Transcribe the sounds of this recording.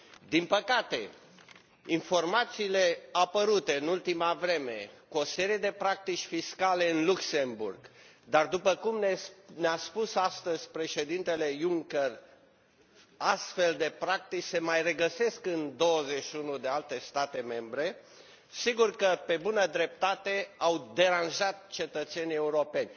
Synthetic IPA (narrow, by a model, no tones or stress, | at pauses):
d̪inpəkat̪e̞̰ | info̞rmat̪siːle̞apəɾut̪e̞ɨnult̪imavɾe̞me̞kuo̞se̞ɾije̞d̪e̞pɾak̚t̪it͡ʃʲfiskale̞ɨnlukse̞mbṵrɡ | d̪ard̪upəkumneaspusast̪əzʲpɾe̞ʃe̞d̪int̪e̞le̞juŋkʲer | ast̪fe̞ld̪e̞pɾak̚t̪it͡ʃse̞majre̞ɡəse̞skɨnd̪o̞wəze̞ʃiunud̪ealt̪e̞st̪at̪e̞me̞mbɾe̞ | siɡurkəpe̞bunəd̪ɾe̞p̚t̪at̪e̞awd̪e̞ɾanʒat̪̚t͡ʃe̞t̪ət̪se̞nie̞uɾo̞pe̞nʲ